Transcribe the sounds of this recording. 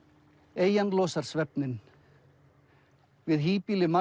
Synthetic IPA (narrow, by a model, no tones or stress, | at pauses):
eːjanlɔːsaɾ̥svɛp̚nɪn | vɪðɦiːpilɪma